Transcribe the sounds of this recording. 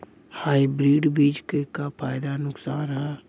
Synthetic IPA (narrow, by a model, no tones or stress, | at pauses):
haːibɾiːɖbiːd͡ʒkekapʰaːjd̪anʊksaːnɦɛː